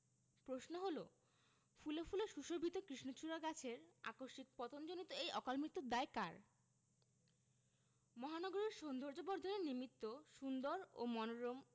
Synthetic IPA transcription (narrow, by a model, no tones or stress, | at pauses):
pɾosnoɦolo | fulofuleʃuʃobʱit̪okɾiʃnot͡ɕʰuɾaɡat͡ɕʰeɾa̰koʃik̚pɔt̪ond͡ʑonit̪oejɔkalmɾit̪ːod̪aeka̰ɾ | mɔɦanɔɡoɾeɾʃond̪ʱoɾd͡ʑobɔɾd̪ʱoneɾnimit̪ːoʃund̪oɾo̰mɔnoɾom